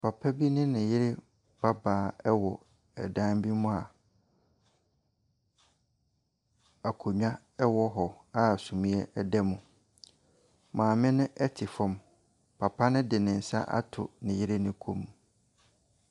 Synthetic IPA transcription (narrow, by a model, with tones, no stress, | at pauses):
pʰa˨pʰa˦bi˦nʊ̃˦nɪ̃˨jɪ˦ɾɪ˦ | b̥a˦baː˨˦ɛ˦wɔ˨ | ɛ̰˨dã˦mbi˦mʊ̃˦a˨ | a˨kʰo˨ɲᶣã˦ | ɛ˦wɔ˦ɦɔ˨ | a˦˨sũ˨mĩ˦ɛ˦ʔɛ˦dɛ˦mũ˨ | mãː˨mɪ̃˦nʊ̃˦ʔɛ˦tʰɪ˨fɔ̃˦m | pʰa˨pʰa˦nʊ̃˦dɪ˨nɪ̃˨n̩˨sa̰˦ʔa̰˦tʰʊ̰˨nɪ̃˨jɪ˦ɾɪ˦nɪ̃˦kʰũ˦m̃˨